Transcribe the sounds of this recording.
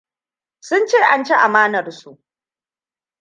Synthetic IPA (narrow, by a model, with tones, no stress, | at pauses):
sʊ˦nt͡ʃeː˦˨ʔa˦nt͡ʃe˦ʔa˨maː˦nɐ˨rsu˦˨ʔ